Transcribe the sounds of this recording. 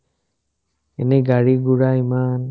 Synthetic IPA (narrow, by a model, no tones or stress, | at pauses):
ɛneɡaɽiɡuɽaiman